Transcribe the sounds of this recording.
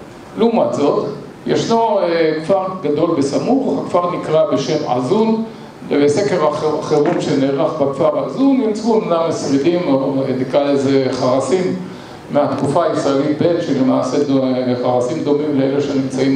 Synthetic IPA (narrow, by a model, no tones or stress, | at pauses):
lumat͡so̞t̪ | jeʃnokfaʁɡad̪o̞lbesamuχakvaʁnikʁabe̞ʃe̞mʕa̰zun | bese̞keʁaaχeʁumʃeneːʁaχbakfaʁazunːimt͡suemadamesʁidimoenikalezeχaʁasimː | eat̪kufaːisʁaelit̪̚be̞tʃelemaːsedeχaʁasimd̪o̞mimleeleʃenimt͡saim